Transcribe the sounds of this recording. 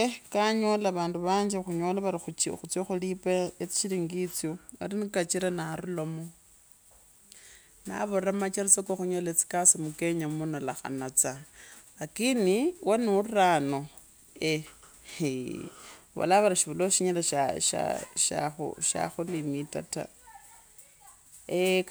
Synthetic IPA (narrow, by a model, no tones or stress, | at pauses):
ekaɲolaβaːnduβaːɲd͡ʒixuɲolaβaɾixuxut͡sjoxulipeet͡si̥ʃiliŋɡit͡sjoeɾinikat͡ʃiɾanaɾulomo | na̰βoramat͡ʃaɾit͡sokwoxuɲoːlet͡si̥kasimuke̞ɲamunalaxa̰nat͡sa | akiniwanurano | e | βa̰laβaɾaʃiβuloʃiɲalaʃa̰ʃa̰ʃa̰xṵʃa̰xulimitata̰ | e